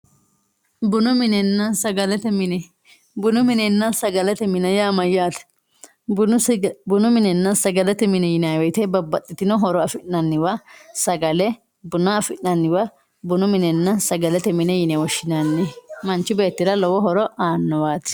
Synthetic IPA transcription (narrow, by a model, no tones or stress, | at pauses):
bʊnʊmɪnɛnːɐsɐɡɐlɛt̪ɛmɪnɛ | bʊnʊmɪnɛnːɐsɐɡɐlɛt̪ɛmɪnɐjaːmɐjːaːt̪ | bʊnʊmɪnɛnːɐsɐɡɐlɛt̪ɛmɪnɛjɪnawɛjt̪ɛbɐbːɐt̪ʼːɪt̪ɪnɔɦɔɾɔɐfɪnːɐnːɪwɐsɐɡɐlɛ | bʊnɐɐfɪnːɐnːɪwɐ | bʊnʊmɪnɛnːɐsɐɡɐlɛt̪ɛmɪnɛjɪnɛwɔʃːɪnanːɪmɐnt͡ʃːɪbe̞ːt̪ːɪɾɐlɔwɔɦɔɾɔʔaːnːɔwaːt̪ɪ̥